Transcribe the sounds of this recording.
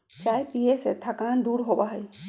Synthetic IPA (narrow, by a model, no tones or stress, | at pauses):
t͡ʃaːjpijeset̪ʰakaːnd̪uːɾɦoːbaɦɛj